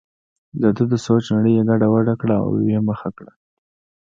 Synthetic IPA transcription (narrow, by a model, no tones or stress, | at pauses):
d̪əd̪əd̪əsot͡ʃnaɽəjeɡaɖawaɖakɽaa̰w̰weməxakɽa